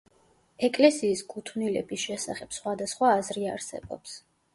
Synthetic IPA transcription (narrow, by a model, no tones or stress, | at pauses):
ɛkʼlɛsiːskʰʼut̪ʰvnilɛ̰bisʃɛsa̰χɛb̥sχwad̪asχwaːzɾiaɾsɛ̰bɔ̰ps